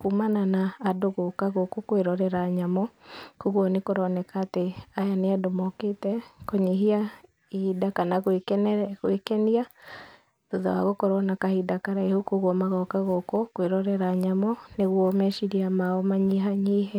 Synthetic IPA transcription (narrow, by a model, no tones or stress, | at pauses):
kumananaːdoɣokaɣokokweɾɔɾɛɾaɲamɔkoɣwɔnekoɾɔnɛkaːteajaneadomɔketɛkoɲeɦia | idakanaɣwekɣwekɛnia | toða̰wa̰ɣokoɾɔnakahidakaɾaehokoɣwɔmaɣɔkaɣokokweɾɔɾɛɾaɲamɔneɣwɔmɛʃiɾiamaɔmaɲiɦaɲiɦɛ